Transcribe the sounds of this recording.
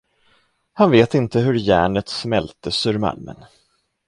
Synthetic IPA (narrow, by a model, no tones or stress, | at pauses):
hanveːt̪ɪnt̪əɦɵɾjæ̰ːɳət̪smɛlt̪əsɵɾma̰lmə̰n